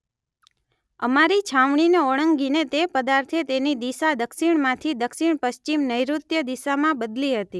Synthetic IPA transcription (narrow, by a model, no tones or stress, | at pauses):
əmaɾit͡ʃʰaʋɳineoɽ̃əŋɡinet̪epəd̪aɾt̪ʰet̪enid̪isad̪əkʃiɳmãt̪ʰid̪əkʃiɳpəʃt͡ʃimnəjɾut̪jəd̪isamãbəd̪liɦət̪i